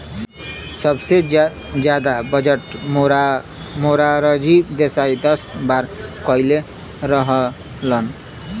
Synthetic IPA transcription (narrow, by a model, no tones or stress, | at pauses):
sʌbse | d͡ʒjad̪abʌd͡zʌʈmɾ | moɾaɾʌd͡zibd̪esajd̪ʌsbaɾkʌile | ɾʌɦʌ | lʌn